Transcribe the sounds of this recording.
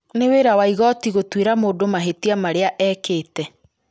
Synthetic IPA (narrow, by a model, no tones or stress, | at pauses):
neweɾawaiɣɔtiɣotweɾamoːdomaɦetiamaɾeaʔɛːkeːtɛ